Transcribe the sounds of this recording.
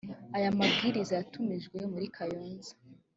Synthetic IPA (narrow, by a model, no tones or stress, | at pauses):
ajamabɡiːɾizajatumiʒɡwemuɾikʰajoːnzḁ